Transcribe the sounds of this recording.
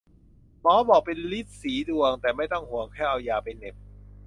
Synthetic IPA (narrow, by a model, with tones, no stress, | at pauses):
mɔː˨˦˥bɔː˨˩k̚pe˧nli˦˥˩t̪̚siː˩˦du˧əŋt̪ɛː˨˩ma˥˩jt̪ɔ˥˩ŋhu˨˩˦əŋkʰaː˥˩ʔa˧wjaː˧pa˧jne˨˩p̚